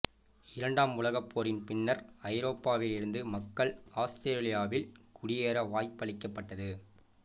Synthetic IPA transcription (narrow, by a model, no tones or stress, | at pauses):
ɪɾɐɳɖaːmʊlɐɣɐpːoːɾɪnpɪnːɐɾɐɪɾoːpːaːʋɪlɪɾɯnd̪ɯmɐkːɐɭaːst̪ɾeːɾlɪjaːʋɪlkʊɽɪjeːɾɐʋaːjpːɐɭɪkːɐpːɐʈːɐðɯ